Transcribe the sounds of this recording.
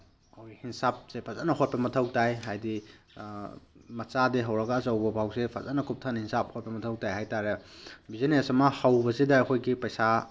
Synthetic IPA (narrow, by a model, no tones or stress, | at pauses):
ɐwihinsap̚sepʰɐza̰nɐɦot̚pɐmɐtʰɐwtajɦajdi | mɐt͡ʃadiɦɐwɾɐɡɐːzɐwbɐbʱawsepʰɐzanɐkʰup̚tʰanɐhinsap̚hot̚pɐmɐtʰɐwtajɦajtaɾebizenesɐmɐhɐwbɐsidɐːkʰojɡipɐjsa